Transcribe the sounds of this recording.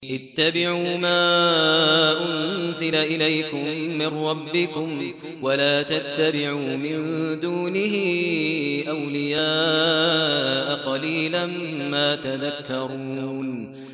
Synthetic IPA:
ʔɪt̪ːabɪʕuːmaː | ʔʊnzɪlaʔɪlajkʊmːɪnːɑbːɪkʊm | walaːt̪at̪ːabɪʕuːmɪnd̪uːnɪɦɪ | ʔawlɪjaː | ʔaqɑliːlamːaːt̪aðakːɑɾˤun

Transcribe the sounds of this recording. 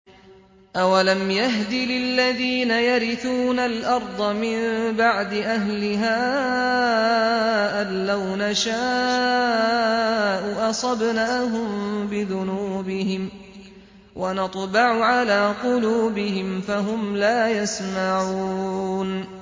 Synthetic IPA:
ʔawalamjaɦd̪ɪlɪlːaðiːnajaɾɪθuːnalʔɑɾˤd̪ˤɑmɪnbaʕd̪ɪʔaɦlɪɦaː | ʔaːawnaʃa | ʔʊʔɑsˤɑbnaːɦʊmbɪðʊnuːbɪhɪm | wʔanɑt̪ˤbɑʕʊʕalaːqʊluːbɪhɪmfaɦʊmlaːjasmaʕuun

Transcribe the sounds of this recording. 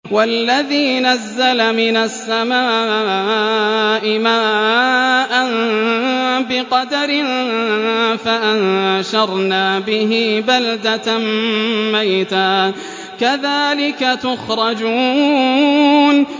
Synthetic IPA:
walːaðiːnazːalamɪnasːamaː | ʔɪmaː | ʔan | bɪqɑd̪aɾɪn | faʔanʃɑɾˤnaːbɪɦɪbald̪ammajt̪aː | kaðaːlɪkat̪ʊxɾˤɑd͡ʒuː | n

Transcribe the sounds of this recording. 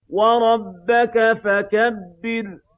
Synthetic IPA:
wɑɾˤɑbːakafakabːɪl

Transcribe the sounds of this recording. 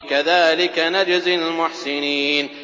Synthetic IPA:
kaðaːlɪkanad͡ʒzɪlmʊħsɪniːn

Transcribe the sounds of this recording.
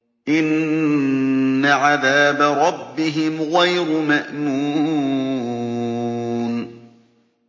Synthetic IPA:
ʔɪn | aʕaðaːbaɾˤɑbːɪɦɪmɣajɾmaʔmuː | n

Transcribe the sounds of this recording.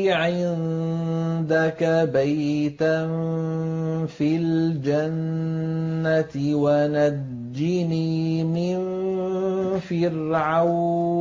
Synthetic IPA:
ʕɪn | d̪akabajjt̪an | fild͡ʒanː | at̪ɪwana | d͡ʒd͡ʒːɪniːmɪn | fɪrʕaw

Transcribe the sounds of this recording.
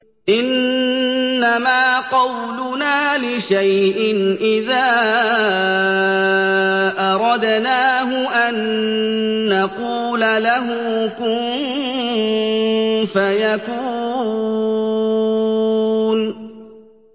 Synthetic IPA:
ʔɪnː | amaːqɑwlʊnaːlɪʃajʔɪnʔɪðaː | ʔɑɾˤɑd̪naːɦʊʔanː | aquːlalaɦʊ | kʊmm | fajakuː | n

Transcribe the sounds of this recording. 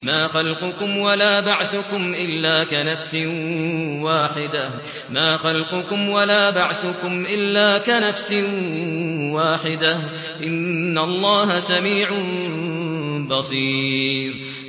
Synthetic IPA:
maːxalqʊkʊmwalaːbaʕθʊkʊmʔɪlːaːkanafsɪ | waːħɪd̪ah | maːxalqʊkʊmwalaːbaʕθʊkʊmʔɪlːaːkanafsɪ | waːħɪd̪ah | ʔɪnːalˤːɑːɦasamiːʕ | bɑsˤiːɾ

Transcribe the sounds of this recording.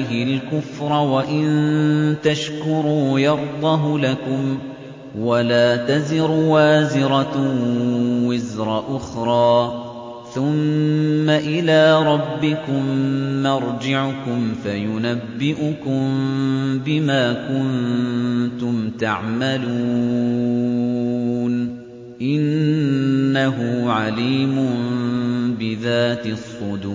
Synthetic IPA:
ɦɪlkʊfɾˤɑwaʔɪnt̪aʃkʊɾuːjɑɾˤd̪ˤɑɦlakʊm | walaːt̪azɪɾwaːzɪɾˤɑ | wɪzɾˤɑʔʊxɾˤɑː | θʊmː | aʔɪlaːɾˤɑbːɪkʊmːɑɾˤd͡ʒɪʕʊkʊmfajʊnabːɪʔʊkʊmbɪmaːkʊn | t̪ʊmt̪aʕmalu | n | ʔɪnː | aɦʊʕaliːmʊ | bɪðaːt̪ɪsˤːʊd̪uː

